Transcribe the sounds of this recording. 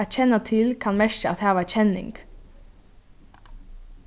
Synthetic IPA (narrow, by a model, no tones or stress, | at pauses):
æt͡ʃɛnət̪ʰɪlkʰɑnmæʃəɑt̪hæːʋæt͡ʃɛnɪ̰ŋɡ̥